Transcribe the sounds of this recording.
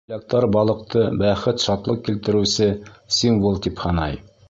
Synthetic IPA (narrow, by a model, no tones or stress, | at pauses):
læk̚t̪ɑɾbɒlˠɤ̆q̚t̪ɤbæχɘt̪ʃɑt̪lˠɤq̚kilt̪ɘ̆ɾʉsɘsʲimwolˠt̪iphɑnɑj